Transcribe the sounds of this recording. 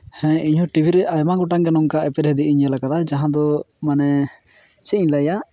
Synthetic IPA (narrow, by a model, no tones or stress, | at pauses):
hɛ̃iɲhɔ̃ʈibʱiɾɛʔajmaɡɔʈaŋɡɛnɔmkaʔɛpɛɾɦɛd̪iiɲɛlakat̪ad͡ʒaɦãd̪ɔ | manɛ | t͡ʃɛiɲlaja